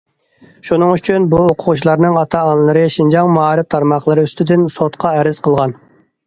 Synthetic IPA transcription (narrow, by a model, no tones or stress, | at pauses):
ʃunɨŋyt͡ʃʰynbuoqʰʊʁut͡ʃʰilˠɑɾnɨŋɑt̪ʰɑːnlˠɨɾɨʃind͡ʒɑŋmuɑːɾɨp̚t̪ʰɑɾmɑχlˠəɾɨyst̪yd̪ɪnsot̪qʰɑɛɾɪz̥qʰəlˠʁɑn